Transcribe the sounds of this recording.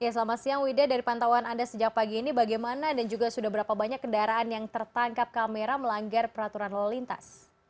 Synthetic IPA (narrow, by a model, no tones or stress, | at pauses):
jasəlamasiaŋwidadaɾipant̪awanandasəd͡ʒak̚paɡiːnibaɡajmanadand͡ʒuɡasudahbəɾapabaɲakːəndaɾaːnjaŋt̪ərt̪aŋkap̚kameɾaməlaŋɡarpəɾat̪uɾanlalint̪a̰s